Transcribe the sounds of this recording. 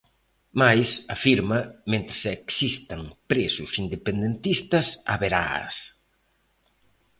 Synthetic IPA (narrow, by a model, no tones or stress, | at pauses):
majsafiɾmɐmẽnt̪ɾɪseksist̪ɐŋpɾesʊsind̪epend̪ent̪ist̪ɐsa̰βeɾa̰s